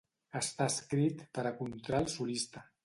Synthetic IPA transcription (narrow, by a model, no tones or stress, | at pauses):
əst̪aəskɾit̪pəɾəkunt̪ɾalˠsulist̪ə